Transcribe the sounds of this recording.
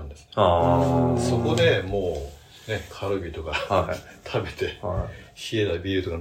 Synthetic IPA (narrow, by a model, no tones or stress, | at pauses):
nd̪e̞sɨ̥ | so̞ko̞d̪e̞mo̞ː | ne̞kʰaɾɯbʲit̪o̞kat̪ʰabe̞t̪e̞ɕied̪aibʲiɾɯ̟t̪oka